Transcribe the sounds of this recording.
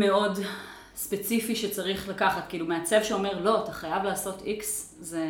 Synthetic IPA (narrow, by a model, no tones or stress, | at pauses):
me̞o̞d | spe̞t͡sifiʃet͡saʁiχlakaχatkiilumeat͡se̞vʃeo̞me̞ʁlo̞ataχajavlaːso̞tʰiksze